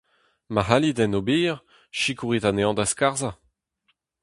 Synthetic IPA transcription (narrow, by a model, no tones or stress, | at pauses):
maɦalid̪ɛnobiːʁ | ʃikuʁit̪aneɑ̃d̪askaʁza